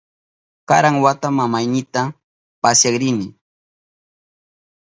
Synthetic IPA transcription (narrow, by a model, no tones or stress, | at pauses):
kaɾaŋwat̪amamajnɪt̪a | pasjakɾɪnɪ